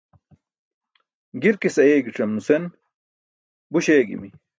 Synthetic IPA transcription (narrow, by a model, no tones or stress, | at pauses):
ɡiɾkisɐeːɡiʈ͡ʂɐmnusen | buɕeːɡḭmi